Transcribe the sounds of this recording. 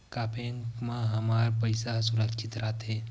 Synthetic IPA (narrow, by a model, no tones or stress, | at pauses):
kaːpʰeŋkmãɦɐmaːɾpəɪsasʊɾəkt͡ʃɪt̪ɾaːt̪ɦeː